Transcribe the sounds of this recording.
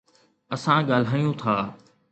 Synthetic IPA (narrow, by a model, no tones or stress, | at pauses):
ɐsãɠaːl̤aːijũt̪ʰaː